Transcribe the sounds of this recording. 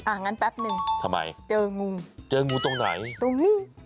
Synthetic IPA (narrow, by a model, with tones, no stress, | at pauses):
ʔaː˨˧˩ŋa˧npɛ˦˥p̚nɯ˧ŋt̪ʰa˧mːa̰˧jt͡ɕɤː˧ŋu˧t͡ɕɤː˧ŋu˧t̪o˧ŋna̰˩˦jt̪o˧ŋmiː˧˥˩